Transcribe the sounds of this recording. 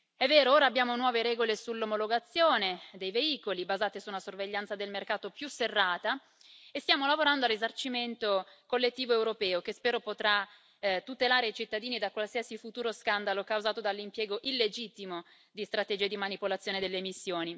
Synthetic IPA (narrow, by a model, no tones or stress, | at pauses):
ɛvːɛːɾooːɾaːbːjaːmonwɔːveɾɛːɡolesulːomoloɡat̪sːjoːned̪ejveiːkolibazaːt̪esunasorveʎːant̪sad̪elmerkaːt̪opjuserːaːt̪a | est̪jaːmolavoɾand̪oarizart͡ʃiment̪okolːet̪ːiːvoewɾopɛːokespɛːɾopot̪ɾa | t̪ːut̪elaːɾeit͡ʃit̪ːad̪iːnid̪akwalsiasifut̪uːɾoskand̪alokawzaːt̪od̪alːimpjɛːɡoʔilːed͡ʒit̪ːimo | d̪ist̪ɾat̪ed͡ʒiːed̪imanipolat̪sjoːned̪elːeːmisːjoːni